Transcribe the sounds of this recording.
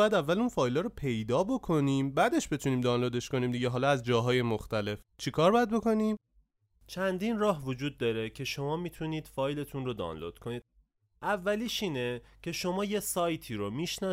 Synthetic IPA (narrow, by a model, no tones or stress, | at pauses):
jæd̪ævːælunfɒːjlɒːɾopʰe̞jd̪ɒːbo̞kʰo̞niːmbæd̪e̞ʃbe̞t̪ʰuniːmd̪ɒːnloːd̪e̞ʃko̞niːmd̪iɟeɦɒːlɒæzd͡ʒɒːɦɒːjemoxt̪æle̞ft͡ʃʰikʰɒːɾbɒjæd̪̚bo̞kʰo̞niːm | t͡ʃʰænd̪inrɒːɦvod͡ʒuːd̪̚ːɒːɾe̞cʰe̞ʃo̞mɒːmiːt̪ʰuniːd̪̥fɒːjle̞t̪ʰunrod̪ɒ̰ːnlo̞̰d̪̥kʰo̞niːd̪̥ | ʔævːæliːʃiːnecʰe̞ʃo̞mɒːjesɒːjt̪ʰiːɾomiʃnɒ